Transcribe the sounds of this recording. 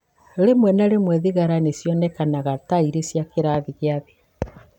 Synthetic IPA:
ɾemwɛnaɾemwɛðiɣaɾanesjɔnɛkanaɣataiɾesjakeɾaðiɣeaðe

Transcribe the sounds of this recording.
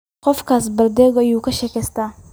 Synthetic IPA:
qɔfkas̬bɐɾd̪ɛɡɔjukɐʃɛkɛst̪a

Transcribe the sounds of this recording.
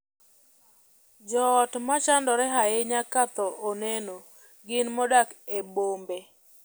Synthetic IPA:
d͡ʒɔːtmat͡ʃandɔɾɛɦaɪɲakat̪ɔʔoneno | ɡɪnmɔdakebombe

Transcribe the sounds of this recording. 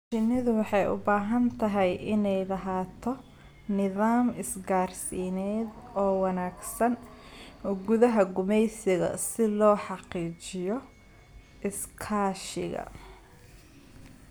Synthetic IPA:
t͡ʃɪnɪðʊwɑħɑjʊ̰baːɦɐnt̪ʰɐɦɛjɪnɛjlɐɦaːt̪ʰɔ | nɪðaːmɪsɡaːrsinɛːd̪ɔːwɑnaːɡsɐn | ɡʊðɐɦɐɡʊmɛjsɪɣɐ̰sɪlɔːħɑqiːt͡ʃɪjɔ | ʔɪskʰaːʃɪ̰ɣɐ̰

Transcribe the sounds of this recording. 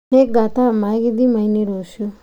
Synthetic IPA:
ek̚ɡat̪amajɡid̪imainiɾoːsjo

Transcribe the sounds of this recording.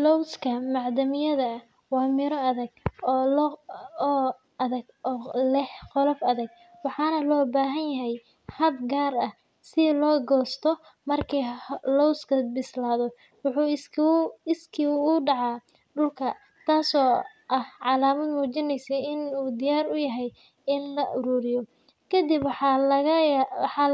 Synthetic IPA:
lɔwskʰɐmɑʕd̪ɐmɪjɐðɐ | wɑːmɪɾɔɐðɐɡ̚ | ɐðɐɡː | lɛħqɔlɔfɐðɐɡ̚ | wɑħɑːnɐlɔːbaːɦɐnjɐɦɛj | hɐb̚ɡaːrɐh | sɪlɔːɡɔːst̪ʰɔ | mɐrkʰilɔwskɐbɪslaːðɔ | wʊħuː | ɪskʰiʊɖɑʕɑ | ɖʊlkʰɐ | t̪ʰaːsɔː | ʔɐhʕɑlaːmɐd̪muːt͡ʃɪnɛjsɛjɪnuːd̪ɪjaːɾʊjɐɦɛj | ɪnlɐʔʊɾuːɾɪjɔ | kʰɐd̪ɪb | ħɑ

